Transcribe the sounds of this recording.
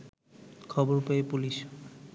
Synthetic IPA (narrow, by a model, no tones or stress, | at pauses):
kʰɔboɹpeepulis